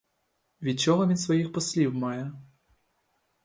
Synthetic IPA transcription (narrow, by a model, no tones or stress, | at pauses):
ʋʲid̪̚t͡ʃɔɦɔʋʲid̪sʋɔjixpɔslʲiwmɑjɛ